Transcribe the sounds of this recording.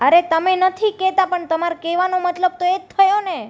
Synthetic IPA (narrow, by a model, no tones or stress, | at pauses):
əɾet̪əmenət̪ʰikɛt̪apəɳt̪əmaɾkɛʋanomət̪ləb̚t̪oet̪ʰːəjone